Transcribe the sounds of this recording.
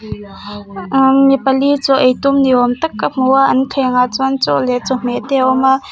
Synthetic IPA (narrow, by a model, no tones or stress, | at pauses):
mipɐlit͡sɔʔejt̪ʊmniɔmt̪ɐkːam̥uaʔɐnt̪ʰɛŋat͡sɔnt͡sɔ̰ʔlɛt͡sɔm̥ɛt̪ɛʔɔmaʔ